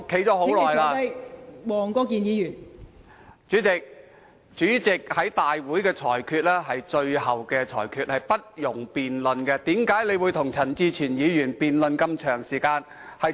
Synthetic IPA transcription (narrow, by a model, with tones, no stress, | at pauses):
ʊ˥kʰe˨˥jt͡sɔː˨˥ɦo˨˥wlɔː˨˩jaː˧jwɔː˨˩ŋkɔː˧kiː˨njiː˨˧jyː˨˩n | t͡ʃyː˨˥t͡sɪ˨k̚ | t͡ʃyː˨˥t͡sɪ˨k̚hɐ˨˥jt̪aː˨jwuː˨˥jkɛː˧t͡ʃʰɔː˨˩jkʰyː˧t̚lɛː˥ɦɐ˨jt͡ʃɵ˧ɥhɐ˨wkɛː˧t͡ʃʰɔ̰ː˨˩jkʰyː˧t̚hɐ˨jpɐ˥t̚jʊ˨˩ŋpiː˨nlɵ˨˧nkɛ˧t̪iː˨˥mkaː˨˥jle˨˧jwuː˨˧jt̪ʰʊ˨˩ŋt͡sʰɐ˨˩nt͡siː˧t͡ʃʰyː˨˩njiː˨˧jyː˨˩npiː˨nlɵ˨˧nkɐ˧mt͡ʃʰœː˨˩ŋsiː˨˩kaː˧n | hɐ˨˧j